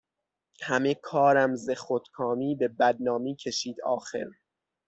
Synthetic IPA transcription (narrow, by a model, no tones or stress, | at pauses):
hæmekʰɒːɾæmzexot̪kʰɒːmiːbe̞bæd̪̚nɒːmiːcʰe̞ʃiːd̪ɒ̰ːxe̞̰ɾ